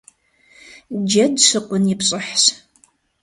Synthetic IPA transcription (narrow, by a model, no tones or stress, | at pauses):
d͡ʒɐdʃɨqʷʊnjɪpɕʼɨħɕ